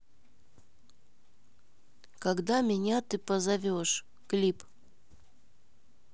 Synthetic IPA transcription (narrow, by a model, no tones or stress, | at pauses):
kɐɡd̪amʲɪnʲat̪ɨpəzɐvʲoʂ | klʲip